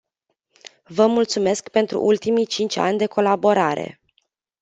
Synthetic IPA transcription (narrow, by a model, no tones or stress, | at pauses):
vəmult̪sume̞skpe̞nt̪ɾṵʔult̪imit͡ʃint͡ʃʲa̰nʲd̪e̞ko̞labo̞ɾaɾe̞̰